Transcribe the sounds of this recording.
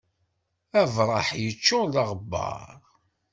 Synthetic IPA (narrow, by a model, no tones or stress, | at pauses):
ævɾˤɑ̰ħjət͡ʃːoləʁbːɑ̰ɾˤ